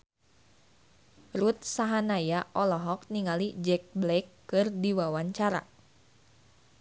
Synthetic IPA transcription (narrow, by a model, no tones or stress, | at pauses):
rut̪̚saɦanajaʔɔlɔɦɔk̚niŋalid͡ʒɛk̚blɛkːɨrdiwawaɲt͡ʃaɾa̰